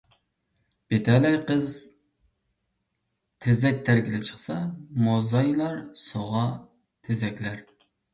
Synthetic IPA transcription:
b̥et̪ʰɛlɛjqəz | t̪ʰezɛk̚ʲt̪ʰæɾɡʲilɪt͡ʃʰə̥χsɑmozɑjlˠɑɾsoʁɑ | t̪ʰezɛkʲlæɾ

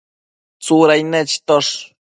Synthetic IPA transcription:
t͡suɾajnet͡ʃt̪oʂ

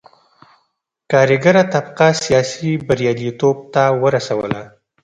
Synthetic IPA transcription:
kɑɾɪɡaɾat̪abqasijɑsibaɾjɑlit̪ob̚t̪awəɾasawəla

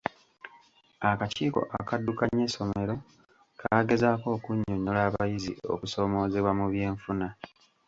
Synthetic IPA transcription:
akaciːko̞̰ʔakadːukaɲːeso̞me̞ɾo̞ | kʰaːɡe̞zaːko̞ːkuɲːoɲːo̞laːβajizḭo̞̰kuso̞ːmo̞ːze̞βwamuβje̞ːɱfuna

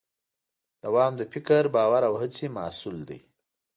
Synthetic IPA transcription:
d̪̥awɑmd̪əfɪkəɾbɑːwaɾawhət͡semɑ̰suld̪ḭj

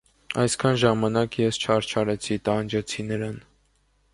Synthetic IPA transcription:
ɑ̰jskʰɑnʒɑmɑnɑkjɛst͡ʃʰɑɾt͡ʃʰɑɾɛt͡sʰit̪ɑnd͡ʒɛt͡sʰinəɾɑn

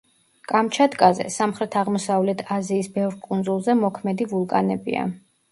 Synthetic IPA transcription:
kʼamt͡ʃʰad̪kʼazɛ̰samχɾɛt̪ʰaʁmɔsavlɛt̪ʰaziːsbɛvɾkʼund̪zulˠzɛmɔkʰmɛd̪ivulˠkʼanɛbḭa̰

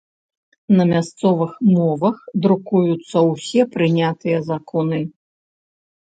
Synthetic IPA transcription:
nɐmʲast̪sɔvɨxmɔvɐxd̪ɾukujut̪sːɐwsʲɛpɾɨnʲat̪ɨjɐzakʰɔnɨ

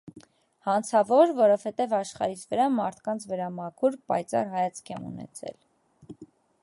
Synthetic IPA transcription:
hɑnt͡sʰɑvɔɾvɔɾɔvhɛt̪ɛvɑʃχɑ̰ɾit͡sʰvəɾɑmɑɾt̪ʰkɑnt͡sʰvəɾɑmɑkʰuɾpɑ̰jt͡sɑ̰rɦɑjɑt͡sʰkʰɛmṵnɛ̰t͡sʰɛ̰l

